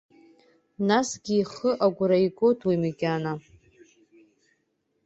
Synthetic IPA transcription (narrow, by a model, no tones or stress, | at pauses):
nasɡʲiːχəʔaɡʷɾaikʷʼotʰwimiɡʲana